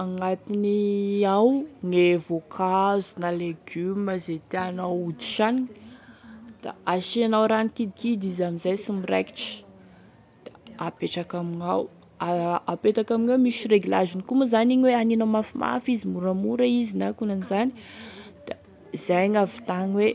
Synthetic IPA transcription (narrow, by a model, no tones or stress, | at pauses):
aŋat̪iniawŋevokʰazunaleɡyməzet̪eanawud̪i̥ʃaniɲ | d̪̥a̰aʃianawɾanikid̪ikid̪izamizajsimiɾḛki̥ʈ͡ʂə̥ | d̪̥ḁapeʈ͡ʂakamiŋaw | aapet̪akamiɲawmiʃireɡila̰zinikumazaniɲweaninamafimʔa̰fizimuɾamuɾaizinakunanizanid̪̥a | z̥ajɲavi̥t̪aŋwe